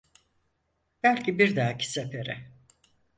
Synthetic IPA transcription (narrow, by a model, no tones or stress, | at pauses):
b̥ælʲcʰibiɾd̪aːcʰi̥sefeɾɪ